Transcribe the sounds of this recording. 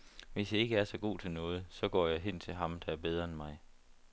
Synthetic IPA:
ʋe̝sdeeɡ̥əæɐsɒ̽ɡ̥o̝̰ːt͡sʰe̝lnɔ̽ːð̞̩ˠsɒ̽ɡ̥ɒ̰ːjɑ̈ɪɦen̰t͡sʰe̝lɦɑ̈md̥ɑ̈æɐb̥eð̞ˠʁɐenmɑ̈ɪ

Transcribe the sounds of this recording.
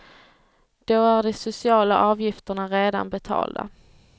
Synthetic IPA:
d̪̥oæɖɛsʊsɪɑːlaʔɑːvjɪft̪əɳaɾeːd̪a̰nbɛt̪ʰɑ̰ːld̪a̰

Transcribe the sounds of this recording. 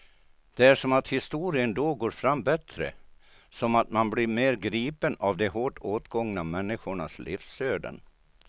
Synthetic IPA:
d̪̥ɛæʂɔmat̪hɪst̪uːɾɪənd̪oːɡoːɾfɾamːbɛt̪ɾə̰ | sɔmat̪manbliɾmeːɾɡɾiːpənavd̪ɛɦoːʈoːt̪ɡɔŋnamɛnːɪɧʊɳaslɪ̰fsøːɖ̪ə̰n

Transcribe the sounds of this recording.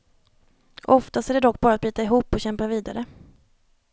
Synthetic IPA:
ʔɔft̪ast̪æɖɛd̪ɔk̚ːbɑːɾat̪̚byːt̪aɪɦuːpːɔɕɛmpaviːd̪aɾə

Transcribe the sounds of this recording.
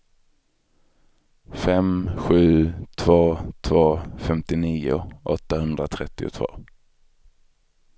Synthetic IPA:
fɛmɧʉ̟ːt̪ʰvoːt̪ʰvoːfɛmt̪ɪniːʊ̰ʔɔt̪ːahɵnd̪ɾat̪ʰɾɛt̪ːɪʊ̰t̪ʰvo̰ː

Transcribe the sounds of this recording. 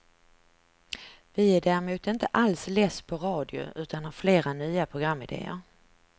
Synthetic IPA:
vɪæɖæːɾɪmʉ̟ːt̪ɪnt̪əʔalslɛːspʰɔɾɑːd̪ɪʊ̰ʉ̟ːt̪anhaɾfleːɾanyːapʰɾʊɡɾamːɪd̪ḛːə̰ɾ

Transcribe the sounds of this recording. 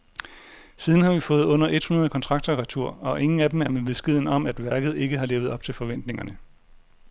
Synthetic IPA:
siːð̞ˠn̩hɑ̈ʋifɔ̽ːð̩ˠɔ̽n̰ɐʔe̝d̥hunɐðˠkʰɒ̽nt͡sʰʁɑ̈ɡ̥̚d̥ɐʁɑt͡sʰuɐ̰ɒ̽ʔe̝ŋn̩æd̥emæɐmeb̥e̝sɡ̥eð̞̰ˠn̩ɒ̽mæd̥ʋæɐɡ̥ð̞̩ˠe̝ɡ̥əɦɑ̈le̝ːʊð̞̩ˠɒ̽b̥t͡sʰe̝lfɒ̽ʋen̰d̥ne̝ŋɐnə

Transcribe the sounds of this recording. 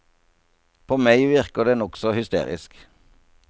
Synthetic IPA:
pʰoːmæɪʋɪʁkəʁd̪eːnɔksɔhʏst̪ḛːʁɪ̰sk

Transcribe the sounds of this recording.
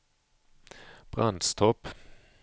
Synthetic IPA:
b̥ʁɑnd̪st̪ʰɔp

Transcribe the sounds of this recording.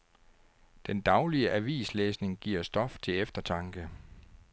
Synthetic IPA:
d̥end̥ɑ̈ʊliəʔæʋḭːsleːsne̝ŋɡ̥ḭɐsd̥ɒ̽ft͡sʰe̝efd̥ɐt͡sʰɑ̈ŋɡ̥ə

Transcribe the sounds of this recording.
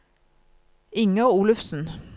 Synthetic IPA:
ɪŋɑuːlʉfsn̩

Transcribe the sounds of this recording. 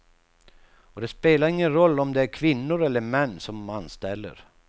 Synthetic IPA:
ɔd̪ɛspeːlaɾɪŋːənɾɔlːɔmd̪ɛæɾkʰvɪnːʊɾɛlːəɾmɛnːsɔmanst̪ɛlːə̰ɾ

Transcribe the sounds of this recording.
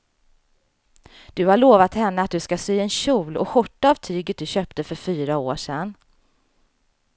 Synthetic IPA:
d̪̥ɵhaɭoːvat̪hɛnːəat̪̚d̪ɵskasyːɛnɕuːlɔ̰ɧɔʈːaːvt̪ʰɾʏɡːət̪̚d̪ɵɕœːp̚t̪əfœɾfyːɾao̰ːʂɛnː

